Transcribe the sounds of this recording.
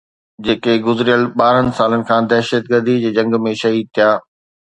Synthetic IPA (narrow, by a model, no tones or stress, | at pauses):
d͡ʑeːkeɡʊzɾijəlɓaːɾənɪ̆saːlənɪ̆kʰãːd̪ɛːʃət̪ɡəɾd̪id͡ʑeːd͡ʑɐ̃ŋɡmẽʃɐɦiːd̪̚t̪ʰijaː